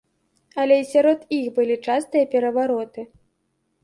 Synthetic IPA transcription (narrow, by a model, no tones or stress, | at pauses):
ɐlʲɛisʲaɾɔt̪ixbɨlʲit͡ʂast̪ɨjɐpʲɛɾɐvaɾɔt̪ɨ